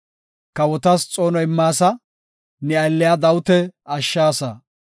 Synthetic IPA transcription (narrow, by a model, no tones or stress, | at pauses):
kɐwɔt̪ɐst͡sʼo̞ːnɔɪmːaːsɐ | nɛɐjlːɪjad̪ɐwʊt̪ɛɐʃːaːsɐ